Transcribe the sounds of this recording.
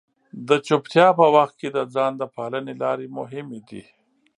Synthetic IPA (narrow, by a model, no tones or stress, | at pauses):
d̪ət͡ʃʊpt̪ʰjɑpəwɐxt̪̚ked̪əd͡zɑːnd̪əpʰɑːlənelɑːɾemʊɦɪmed̪ḭ